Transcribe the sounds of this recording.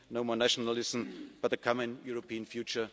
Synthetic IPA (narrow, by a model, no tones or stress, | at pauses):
noʊmɔːnæʃɔnəlɪsn̩b̥at̪̚ðəkʰɔmə̃njuɹopʰiːə̃nfjuːt͡ʃə